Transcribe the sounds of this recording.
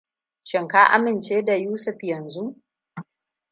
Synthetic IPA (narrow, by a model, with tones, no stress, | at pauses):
ʃɪ˨ŋkaː˦ʔa̰˦mɪ˨nt͡ʃeː˦da˨juː˦sʊ˦˨ɸjɐ˨nzu˦ʔ